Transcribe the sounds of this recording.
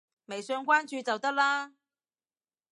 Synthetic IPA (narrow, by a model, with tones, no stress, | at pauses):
me˨˩jsœː˧ŋkʷaː˥nt͡ʃyː˧t͡sɐ˨wt̪ɐ˥k̚laː˥